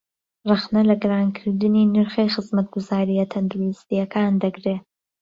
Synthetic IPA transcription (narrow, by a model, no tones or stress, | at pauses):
raxnɐlɐɡɨɾaːnkʰɨɾd̪ɨniːnɨɾxejxɨzmɐt̪̚ɡʊzaːɾijɐt̪ʰɐnd̪ɾuist̪ijɐkʰaːnd̪ɐɡɾeː